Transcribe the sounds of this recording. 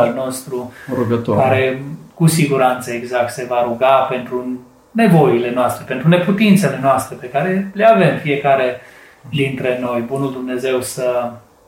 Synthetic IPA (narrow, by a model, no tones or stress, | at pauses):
lno̞st̪ɾuɾuɡət̪okaɾe̞kusiɡuɾant̪səeɡzak̚t̪se̞vaɾuɡape̞nt̪ɾu | ne̞vo̞ile̞noast̪ɾe̞pe̞nt̪ɾune̞put̪int̪se̞le̞noast̪ɾe̞pe̞kaɾe̞leave̞mfie̞kaɾe̞ | d̪int̪ɾe̞no̞jbunuld̪umne̞ze̞wsə